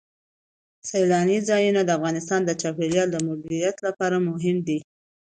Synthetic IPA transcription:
sajlɑnizɑjunad̪əafɣɑnɪst̪ɑnd̪ət͡ʃapeɾjɑld̪əmʊb̪iɾijat̪lapɑɾamʊɦɪmd̪i

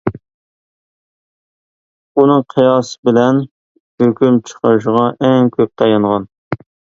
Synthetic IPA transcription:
unɨŋqʰijɑsɨbɪlɛn | høkʲymt͡ʃʰə̥qʰəɾɨʃ̬ʁɑʔɛŋkʲʰøp̚t̪ʰɑjɑɴʁɑn

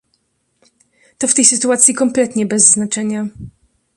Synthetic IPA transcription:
t̪ɔft̪ɛjsɘt̪uat̪sʲjikɔmplɛt̪ɲɛbɛzːnat͡ʂɛɲa

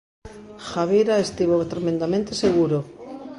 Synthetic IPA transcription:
xaβiɾaest̪iβot̪ɾemẽnd̪amẽnt̪eseɣuɾo

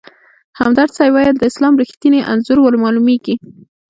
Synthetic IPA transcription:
hamd̪ɑɾt͡sɑjwɑjəld̪əɪslɑmɾixt̪ineʔa̰nzʊɾwəlmɑlumeɡi

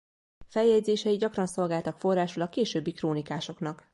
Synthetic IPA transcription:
fɛljɛɟzeːʃɛjiɟɒkrɒnso̞lɡaːlt̪ɒkfo̞rːaːʃulɒkːeːʃøːbːikroːnikaːʃo̞knɒk

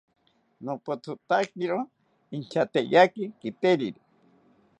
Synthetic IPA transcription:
nopot͡s̪ut̪akiɾo | int͡ʃat̪ejakikit̪eɾiɾi

